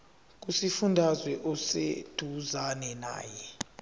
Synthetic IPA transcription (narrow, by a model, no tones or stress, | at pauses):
k̬ʼusifundʱazwɛʔɔsḛd̥ʱuzanɛna̰ːjɛ